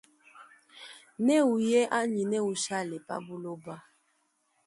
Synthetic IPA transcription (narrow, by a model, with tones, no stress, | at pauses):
nɛ˦u˨jɛ˦ʔa˦ɲi˨nɛ˦u˨ʃa˦lɛ˨pa̰˦bu˦lo˦ba˦